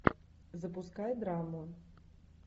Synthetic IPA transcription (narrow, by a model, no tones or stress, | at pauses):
zɐpʊskajd̪ɾamʊ